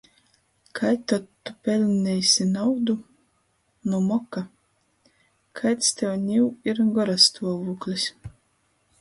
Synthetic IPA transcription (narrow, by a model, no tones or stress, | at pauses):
kʰajt̪ɔt̪ːupʲɛlʲnʲɛjsʲinawd̪u | numɔka | kʰajt̪st̪ʲɛwnʲiwiɾɡɔɾast̪uɔvuːklʲisʲ